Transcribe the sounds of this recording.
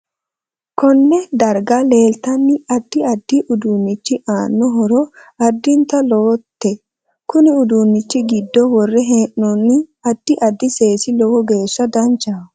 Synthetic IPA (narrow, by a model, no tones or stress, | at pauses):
kɔnːɛd̪ɐɾɡale̞ːlt̪ɐnːɪɐd̪ːɪɐd̪ːɪʔʊd̪uːnːɪt͡ʃːɪʔaːnːɔɦɔɾɔ | ɐd̪ːɪnt̪ɐloːt̪ːɛ | kʊnɪʊd̪unːɪt͡ʃːɪɡɪd̪ːɔwɔrːɛɦeːʔːɔnːɪɐd̪̥ːɪʔɐd̪ːɪse̞ːsɪlɔwɔɡe̞ːsːɐd̪ɐnt͡ʃa